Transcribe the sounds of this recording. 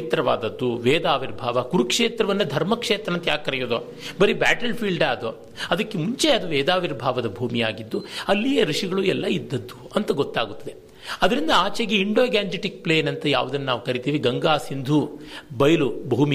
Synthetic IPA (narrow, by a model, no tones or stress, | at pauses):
t̪ɾɐʋa̰ːd̪ɐd̪ːuʋeːd̪aːʋiɾbʱaːʋɐkuɾukʂeːt̪ɾɐʋɐnːɐd̪ʱɐɾmɐkʂeːt̪ɾɐnt̪ɐjaːkkːɐɾɛjoːd̪oː | bɐɾibaːʈɐlpʰiːlɖaːd̪o | ɐd̪ɐkːemuɲt͡ʃeɐd̪uʋɛːd̪aːʋiɾbʱaːʋɐd̪ɐbʱuːmijaːɡid̪ːuɐlːijeɾiʂiɡɐɭuɛlːɐid̪ːɐd̪ːuɐnt̪ɐɡot̪ːaːɡut̪ːɐd̪e | ɐd̪ɐɾind̪ɐaːt͡ʃeɡeiɳɖoːɡaːɲd͡ʒiʈik̚pleːnɐnt̪ɐja̰ːʋud̪ɐnːɐnaːʋukɐɾit̪iːʋiɡɐŋɡaːsind̪ʱubɐjɐlubʱuːmi